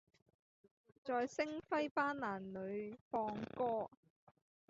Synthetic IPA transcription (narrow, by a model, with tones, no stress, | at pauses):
t͡sɔː˨jsɪ˥ŋfɐ˥jpaː˥nlaː˨˩nlɵ˨˧ɥfɔː˧ŋkɔː˥